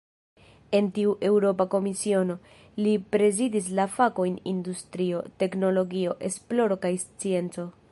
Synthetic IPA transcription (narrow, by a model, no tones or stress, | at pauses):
e̞ntiuʔe̞wɾo̞pako̞misio̞no̞ | lipɾe̞zidis̬lafako̞jnindustɾio̞te̞kno̞lo̞ɡio̞ʔe̞splo̞ɾo̞kajst͡sie̞nt͡so̞